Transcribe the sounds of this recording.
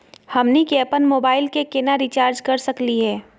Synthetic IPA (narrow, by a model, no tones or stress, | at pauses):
hɐmnikɛːpənmoːbaːɪlkekenaɾit͡ʃaːɾd͡ʒkɐɾsɐkliɦɛː